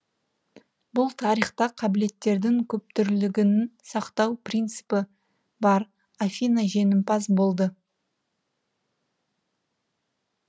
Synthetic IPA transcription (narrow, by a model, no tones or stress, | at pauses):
bʊlˠt̪ʰɑɾijχt̪ɑqʰɑbɪle̞t̪ːe̞ɾd̪ɪŋkʲʰɵp̚t̪ʏɾlɪɡʲɪnɪnsɑqt̪ɑwprijnt̪sɨ̥pɪ | bɑɾ | afʲinaʒe̞nɪmpɑzbo̞lˠd̪ə